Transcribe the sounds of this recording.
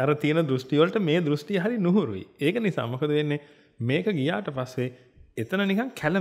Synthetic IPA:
aɾət̪ijənəd̪ɾusʈiʋəlʈəmeːd̪ɾusʈijəɦaɾinuɦuɾṵʋḭeːkənisa̰ːmokɐd̪uʋenːe | meːkəɡija̰ːʈəpasːe | et̪ənənikaŋkʰælə

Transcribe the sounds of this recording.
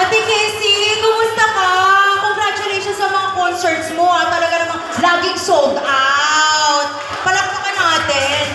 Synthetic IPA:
ɐt̪ɪkɛsikʊmʊst̪ɐkɐkoŋɡɾat͡ʃʊlɛjʃonsɐmɐŋakonsɛɹt̪smoʔɐt̪ɐlɐɡanɐmɐ | laːɡɪŋsold̪awt̪̚ | pɐlɐk̚p̪ɐkɐnaːt̪ɪn

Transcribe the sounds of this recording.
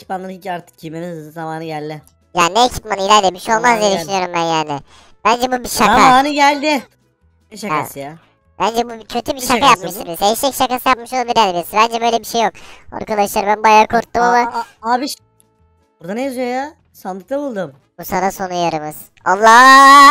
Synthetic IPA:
cʰi̥p̚manˠaɾicaɾt̪ʰɯ̥k̚ɟʰimenizamaːnɯɟælʲd̪ɪ | jaːnineːcʰi̥p̚manɯilʲæɾlʲemiʃo̞lˠmazɡelʲiʃnijoɾumbænjaːnɪ | b̥ænd͡ʒɛbubiʃakaaːnɯɟælʲd̪ɪ | ɛʃaaɯja | b̥ænd͡ʒɛbucʰø̞t̪ʰybiʃaajapmɯʃt̪ibisɛʃɛcʃakasɯjapmɯʃoabiɾanebiɾsibænd͡ʒɛbø̞jlʲebiʃe̞joko̰ɾkʰad̪ˠaʃɯlaɾmbænbajaɾkʰuɾt̪ːumamˠaabiʃ | buɾd̪aneazjoja | sand̪ˠɯkt̪abulˠd̪ɯm | b̥usanaso̞nujaɾɯmɯz̥ | o̰lˠːaː

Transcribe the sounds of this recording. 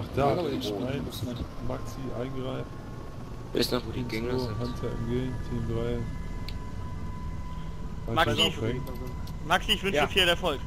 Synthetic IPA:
ʔaχd̥aːaɪnmaksiʔa̰ɪnɡʁaɪf | ɛsŋoɦantʰaɪ̰mɡeːntʰiːndʁaɪ | hamaksiʁɛŋ | maksiɪçv̥ʏnʃifiːɐlɛɐfɔlk

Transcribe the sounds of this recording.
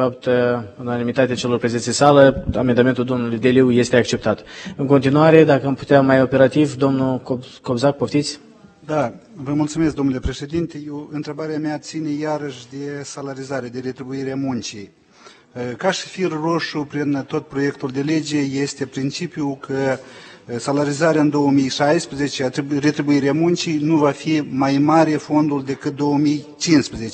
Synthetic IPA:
fapt̪unanimit̪at̪eat͡ʃe̞lo̞rpɾezensʲisaləa̰me̞nd̪ame̞nt̪uld̪o̞mnulujd̪e̞liwje̞st̪e̞akt͡ʃe̞p̚t̪at̪ɨŋko̞nt̪inuaɾe̞d̪akəampu̥t̪eamajo̞pe̞ɾat̪ivd̪o̞mnukoko̞bzak̚poft̪it̪sʲ | d̪avəmult̪sumesk̚d̪omnulʲe̞pɾe̞ʃe̞d̪int̪e̞jewɨnt̪ɾe̞baɾeameat̪sinejaɾəʃʲd̪e̞salaɾizaɾed̪e̞ɾe̞t̪ɾibuiɾeamunt͡ʃij | kaʃi̥firɾo̞ʃupɾint̪o̞t̪̚pɾo̞je̞kt̪uld̪e̞le̞d͡ʒe̞je̞st̪e̞pɾint͡ʃipijukʰə | salaɾizaɾeaɨnd̪o̞wəmijʃajspɾezet͡ʃeat̪ɾre̞t̪ɾibuiɾeamunt͡ʃijnuvafimajmaɾe̞fo̞nd̪uld̪e̞kɨt̪̚d̪o̞əmijt͡ʃinspɾezet͡ʃe

